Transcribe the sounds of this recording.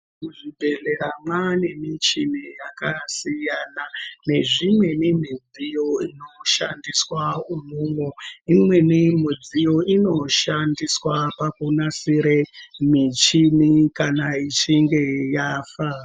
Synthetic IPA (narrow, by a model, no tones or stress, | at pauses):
kuʐibʱe̞ɮe̞ɾamwane̞mit͡ʃinijakasijaːnane̞ʐimwe̞nim̤id͡zijo̞ino̞ʃa̰ndiswaumuːŋwoimwe̞nimid͡zijo̞ino̞ʃandiswapakunasiɾemit͡ʃinikanait͡ʃiŋɡe̞jaːfa